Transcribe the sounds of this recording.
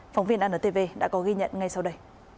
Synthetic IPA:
fa˨˦wŋ͡mvi˧ənʔaː˧ʔəː˧˩t̪e˧˩ve˧ɗa̰ː˧˥kɔ˨˦ɣi˧ɲə̰˧˨nŋa˧jsa˧wɗə˧j

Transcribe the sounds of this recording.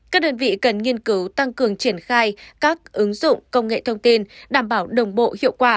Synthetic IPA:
kaː˦˥k̚ɗəː˧nvḭ˧˨kə˨˩nŋi˧ənkɨ˨˦wt̪a˧ŋkɨ˨˩əŋt͡ɕi˧˩ənxaː˧jkaː˦˥k̚ʔɨ˨˦ŋzʊ̰˧˨ŋ͡mkə˧wŋ͡mŋḛ˧˨t̪ʰə˧wŋ͡mt̪i˧nɗaː˧˩mɓaː˧˩wɗə˨˩wŋ͡mɓo̰˧˨hḭ˧˨əwkwaː˧˩

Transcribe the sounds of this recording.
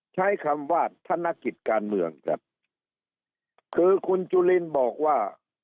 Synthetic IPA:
t͡ɕʰa˦˥˩jkʰa˧mwaː˥˩t̪ʰːa˧˥˨nːa˧˥ki˨˩t̪̚kaː˧nmɯ˧əŋka̰˧˩ | kʰɯː˧kʰu˧nt͡ɕuː˧li˧˥˨nbɔː˨˩k̚waː˥˩

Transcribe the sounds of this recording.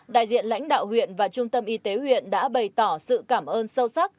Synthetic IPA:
ɗa̰ː˧˨jzḭ˧˨ənla̰˧˥jŋ̟ɗa̰ː˧˨whwḭ˧˨ənvaː˨˩t͡ɕʊ˧ŋ͡mt̪ə˧mʔi˧t̪e˨˦hwḭ˧˨ənɗa̰ː˧˥ɓə˨˩jt̪ɔ˧˩sɨ̰˧˨kaː˧˩mʔəː˧nsə˧wsa˦˥k̚

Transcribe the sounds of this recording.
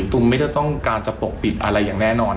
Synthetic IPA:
t̪u˧ma˥˩jt̪ɔ˥˩t̪ɔ˥˩ŋkaː˧nt͡ɕa˨˩po˨˩k̚pi˨˩t̪̚ʔa˧ɾa˧jːaː˨˩ŋnɛː˥˩nɔː˧n

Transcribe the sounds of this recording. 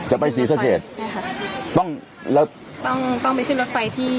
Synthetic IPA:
t͡ɕa˨˩pa˧jsiː˩˦˥sa˨˧˥keː˨˩t̪̚ | t̪ɔ˥˩ŋ | lɛː˦˥w | t̪ɔ˥˩ŋt̪ɔ˥˩ŋp̬a˧jkʰɯ˥˩nɾo˥t̪̚fa˧jt̪ʰiː˥˩

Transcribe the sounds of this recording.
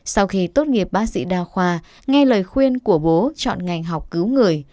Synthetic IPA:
sa˧wxi˧t̪o˦˥t̚ŋi˨˩əp̚ɓaː˦˥t̚sḭ˧˥ɗaː˧˩xwaː˧ | ŋa˧jləː˨˩jxwi˧ənku˧˩əɓo˨˦t͡ɕɔ̰˧˨nŋa˨˩jŋ̟ɦa˨˩wk͡p̚kɨ˨˦wŋɨ˨˩əj

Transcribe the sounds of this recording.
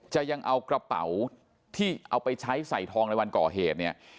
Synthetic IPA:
t͡ɕa˨˩ja˧ŋʔa˧wkɾa˧pa̰˩˦w | t̪ʰiː˥˩ʔa˧wpa˧jt͡ɕʰa˦˥jsa˨˩jt̪ʰɔː˧ŋna˧jwa˧nkɔː˨˩ɦeː˨˩t̪̚ni˥˩ɐ

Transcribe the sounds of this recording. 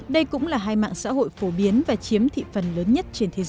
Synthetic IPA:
ɗə˧jkʊ̰˧˥ŋ͡mlaː˨˩ɦaː˧jma̰ː˧˨ŋsa̰ː˧˥ɦo̰˧˨jfo˧˩ɓi˨˦ənvaː˨˩t͡ɕi˨˦əmt̪ʰḭ˧˨fə˨˩nləː˨˦nɲə˦˥t̚t͡ɕe˧nt̪ʰe˨˦z

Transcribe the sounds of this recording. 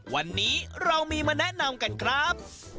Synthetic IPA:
wa˧nːiː˦˥ɾa˧wmiː˧maː˧nɛ˦˥ʔna˧mka˧nkʰɾa˦˥p̚

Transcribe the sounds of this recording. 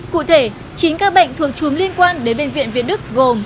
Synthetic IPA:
kṵ˧˨t̪ʰe˧˩ | t͡ɕi˨˦nkaː˦˥k̚ɓə̰˧˨jŋ̟t̪ʰu˨˩ək̚t͡ɕu˨˦mli˧ənkwaː˧nɗe˨˦nɓḛ˧˨nvḭ˧˨ənvi˧˨ənɗɨ˦˥k̚ɣo˨˩m

